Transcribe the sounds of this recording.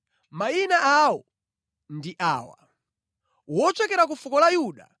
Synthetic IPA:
mainaawɔ | ndiʔaːwa̰ | wɔt͡ʃɛkɛɾak̬ufukɔlajuːɗa̰

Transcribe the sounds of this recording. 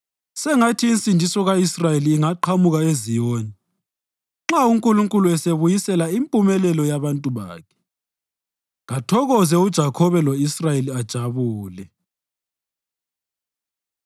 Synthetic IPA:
sɛŋatʰiːnt͡sʼindʱisɔɣaisrajeliːŋaǃʰamuɣaezijoːni | ŋ͡ǁauŋkʼuluŋkʼuluɛseβujisɛlaimpʼumɛlɛlɔjaβantʼuβa̰ːkʰɛ̥ | ɣatʰɔɣɔzɛud̥ʒ̥ʱakʰɔβɛlɔisrajeliad̥ʒ̥ʱaβuːlɛ

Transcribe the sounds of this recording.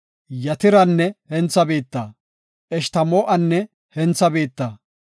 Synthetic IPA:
jɐt̪ɪɾɐnːɛhɛnt͡sːɐbeːt̪ːɐː | ʔɛʃt̪ɐmoːʔɐnːɛ | hɛnt͡sːɐbe̞ːt̪ːɐ

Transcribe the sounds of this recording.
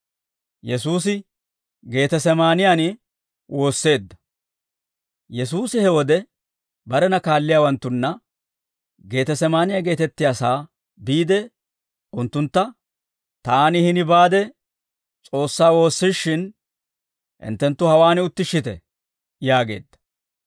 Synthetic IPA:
jɛsuːs̬ɪ | ɡe̞ːt̪ɛsɛmaːnɪjaːnɪ | wʔo̞ːsːe̞ːd̪ːɐ̥ | jɛs̬uːsɪhɛwɔd̪ɛ | bɐɾɛnɐkaːlːɪjaːwɐnt̪ːʊnːɐ | ɡe̞ːt̪ɛsɛmaːnɪjaɡe̞ːt̪ɛt̪ːɪjaːsaː | biːd̪ɛ | ʊnt̪ːʊnt̪ːɐ | t̪aːnɪhɪnɪbaːd̪ɛ | t͡sʼo̞ːsːaːwo̞ːsːɪʃːɪn | ʔɪ̰nt̪ːɛnt̪ːʊhɐwaːnɪʊt̪ːɪʃːɪt̪ɛ | jaːɡe̞̰ːd̪ːɐ̥

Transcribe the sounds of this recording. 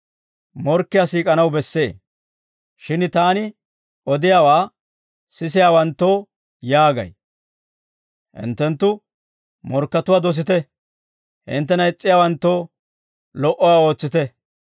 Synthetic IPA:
mɔɾkːɪjaːsiːkʼɐnɐwbɛsːe̞ː | ʃɪnt̪aːnɪ | ɔd̪ɪjaːwaː | sɪs̬ɪjaːwɐnt̪ːo̞ː | jaːɡɐ̰j | hɪ̰nt̪ːɛnt̪ːʊ | mɔɾkːɐt̪ʊwaːd̪ɔs̬ɪt̪ɛ | hɪ̰nt̪ːɛnɐɪt͡sʼːɪjaːwɐnt̪ːo̞ː | lɔʔɔwaːo̞ːt͡sːɪt̪ɛ

